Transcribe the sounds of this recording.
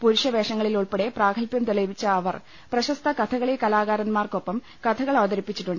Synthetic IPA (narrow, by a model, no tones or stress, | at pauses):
puɾuɕjɐʋeːʂɐŋːɐɭiluɭpeɽe̞praːkʰɐlpjɐmt̪olɐʋit͡ɕːɐːʋɐr | prɐɕɐst̪ʰɐkɐt̪ʰɐɣɐɭekɐlaːɣaːɾɐnmaːrko̞pːɐm | kɐt̪ʰɐɣɐɭɐʋɐd̪ɐɾipːit͡ɕːiʈːuɳɖɨ